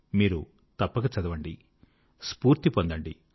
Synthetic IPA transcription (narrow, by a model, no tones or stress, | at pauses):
miːɾu | t̪ɐpːɐkɐt͡ʃɐd̪ɐʋɐɳɖi | spuːɾt̪ipond̪ɐɳɖi